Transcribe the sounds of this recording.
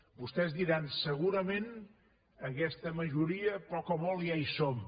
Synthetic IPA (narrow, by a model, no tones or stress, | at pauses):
bust̪ɛzd̪iɾansəɣuɾəmen | əkɛst̪əməʒuɾiəpɔkɔmɔlˠiajsom